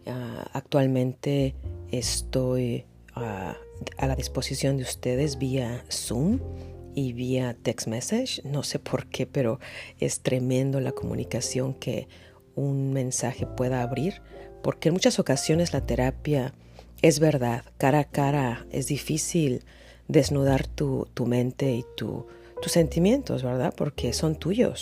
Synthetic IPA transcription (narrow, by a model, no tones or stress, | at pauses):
aa̰k̚t̪walmẽ̞nt̪e̞est̪o̞j | aalaðispo̞sisjo̞nd̪eust̪e̞ðe̞zβiasumiβiat̪eksmesaʃno̞se̞pʰo̞ɾkʰe̞pe̞ɾo̞e̞̰st̪ɾe̞mẽ̞nd̪o̞lako̞mṵ̃nikasjo̞ŋke̞̰ | unmẽ̞nsaxe̞pwe̞ðaːβɾiɾpo̞ɾkenmut͡ʃaso̞kasjo̞ne̞zlat̪e̞ɾapja | e̞zβe̞ɾðaðkaɾakaɾae̞̰zðifisil | d̪e̞znuð̞aɾt̪ut̪umẽ̞nt̪e̞it̪ṵ | t̪usːe̞nt̪imje̞nt̪o̞zβe̞ɾða̰ðpo̞ɾke̞so̞nt̪uʝo̞̰s